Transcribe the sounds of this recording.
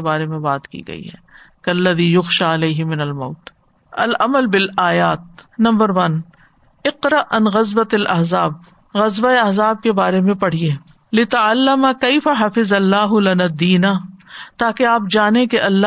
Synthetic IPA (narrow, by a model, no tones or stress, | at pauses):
baːɾemẽbaːt̪kḭːɡɐ̰ḭɦɛ̰ː | kɐlːɐðiːjʊxʃaːɪleːɦɪmɪnɐlmɐːt̪ | ɐlɐməlbɪlaːjaːt̪̚nɐ̃mbəɾʋɐn | ɪqɾɐʔɐnɣɐzbɐt̪ɐlʔɐɦzaːb̚ | ɣɐzbaeɐɦzaːb̚kebaːɾemẽpɐɽ̤ieː | lɪt̪ɐʕalːɐmakeɪfaɦɐfɪzɐlːaːɦʊlɐnaːd̪iːnaːt̪aːkeaːp̚d͡ʒaːnẽkeʔɐlːa